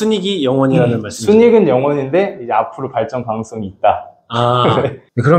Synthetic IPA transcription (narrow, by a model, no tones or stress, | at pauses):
suɲiɡijʌŋwʌɲiɾanɯnmaɭs͈sʰuɲiɡɯnjʌŋwʌɲinde̞id͡ʑe̞apʰɯɾopaɭt͡ɕ͈ʌnpaŋsʰoŋiːt̚t͈a | aeekɯɾʌ